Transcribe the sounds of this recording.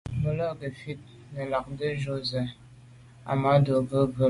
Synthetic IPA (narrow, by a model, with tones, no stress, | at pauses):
bə˦lə˦ɡə˨fi˦t̚ | nə˨la˨k̚də˦ʒo˦zə˨ | a̰˨ma˨˦do˨bə˦bə˦